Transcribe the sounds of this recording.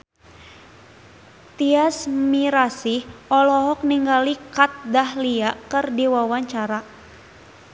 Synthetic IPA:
t̪iasmiɾasihʔɔlɔɦɔk̚niŋɡalikat̪̚dahliaʔkɨrdiwawaɲt͡ʃaɾa

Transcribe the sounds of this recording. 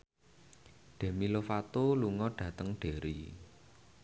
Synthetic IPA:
ɖ̥e̤milofat̪oluŋɔɖ̥ä̤t̪əŋɖ̥e̤ɾḭ

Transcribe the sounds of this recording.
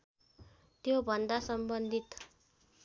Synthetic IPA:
t̪jobʱʌnd̪asʌmbʌnd̪ʱit̪

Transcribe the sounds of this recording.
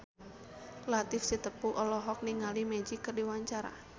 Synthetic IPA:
lat̪ɪfsit̪əpuʔɔlɔɦɔk̚niŋalimɛd͡ʒikərdiwaɲt͡ʃaɾa̰

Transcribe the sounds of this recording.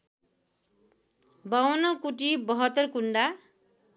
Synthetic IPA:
bawʌnʌkuʈibʌɦʌt̪ːʌrkuɳɖa

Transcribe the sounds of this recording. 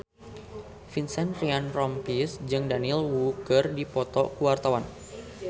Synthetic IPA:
finsɛnrianrɔmpisd͡ʒɨŋdanilwukərdipɔt̪ɔ̰kuwart̪awan

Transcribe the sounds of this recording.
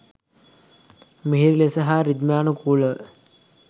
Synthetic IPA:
miɦiɾilesəɦaɾid̪maːnukulə

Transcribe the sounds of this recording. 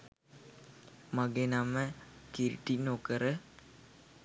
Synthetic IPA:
maɡenaməkiɾiʈinokəɾə

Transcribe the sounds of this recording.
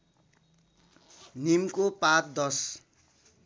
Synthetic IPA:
nimkopat̪̚d̪ʌs

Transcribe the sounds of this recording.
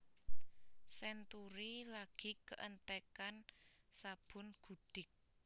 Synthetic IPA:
sɛnt̪uɾilaɡ̥i̤kəʔənt̪ɛkansab̥ʊ̤nɡ̥uɖ̥ɪk̚

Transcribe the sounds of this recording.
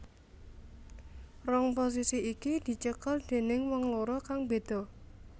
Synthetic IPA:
rɔŋpos̬isiikid̪̥i̤t͡ʃəkəld̪̥e̤nɪŋwɔŋloɾɔkaŋbe̤d̪̥ɔ̤

